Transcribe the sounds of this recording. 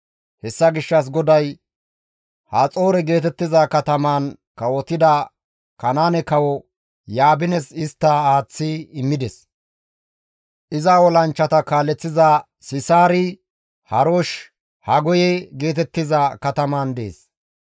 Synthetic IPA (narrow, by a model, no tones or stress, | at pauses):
hɛsːɐɡɪʃːɐs̬ɡɔd̪ɐj | hat͡sʼoːɾɛɡe̞ːt̪ɛt̪ːɪzɐkɐt̪ɐmaːn | kɐwɔt̪ɪd̪ɐ | kɐnaːnɛkɐwɔ | jaːbɪnɛsɪst̪ːɐaːt͡sːɪɪmːɪd̪ɛs | ʔɪzawɔlɐnt͡ʃːɐt̪ɐkaːlːɛt͡sːɪza | sɪsaːɾɪ | hɐɾoʃ | hɐɡɔjɛɡe̞ːt̪ɛt̪ːɪzɐkɐt̪ɐmand̪e̞̰ːs